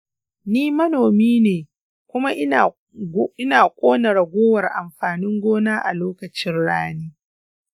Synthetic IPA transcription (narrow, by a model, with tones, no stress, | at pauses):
niː˦mɐ˦noː˨miː˦neː˨ | kʷʊ˦ma˦ʔ | ɪ˦naː˨kʷʼoː˦nɐ˨ɽa˨ɡʷoː˦wɐ˨rʔa˨mɸaː˨nɪ˦ŋɡʷoː˦naː˦ʔa̰˨loː˦kɐ˨t͡ʃɪ˦nɽaː˦neː˦